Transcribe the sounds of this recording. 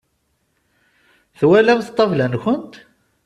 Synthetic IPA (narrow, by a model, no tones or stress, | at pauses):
θwælæmθt̪ˤːɑvlænçənt̪